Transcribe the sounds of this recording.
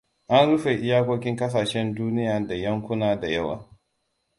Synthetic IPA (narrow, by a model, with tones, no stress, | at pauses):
ʔa˦nɽʊ˦ɸe˨ʔɪ˦jaː˦kʷoː˦kʲɪ˦ŋkɐ˦s̬aː˨ʃɛ˦nduː˦nɪ˦jaː˨da˨jɐ˦ŋkʷʊ˦naː˦da˨jɐ˦wa̰ː˨